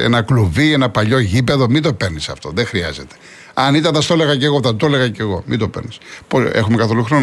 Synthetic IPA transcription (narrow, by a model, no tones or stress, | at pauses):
ḛnɐkluvienɐpɐʎo̞ʝipe̞ðo̞mit̪o̞pe̞ɾnisɐft̪o̞ðe̞xɾiɐ̰ze̞t̪e̥ | ɐnit̪ɐnθɐst̪o̞le̞ɣɐce̞ɣoθɐt̪ole̞ɣɐce̞ɣo̞mid̪o̞peɾnispoe̞̰xumekɐθo̞luxɾo̞n